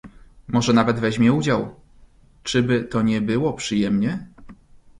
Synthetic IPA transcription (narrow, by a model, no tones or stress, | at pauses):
mɔʐɛnavɛd̪vɛʑmʲjɛud͡ʑaw | t͡ʂɘbɘt̪ɔɲɛbɘwɔpʂɘjɛmɲɛ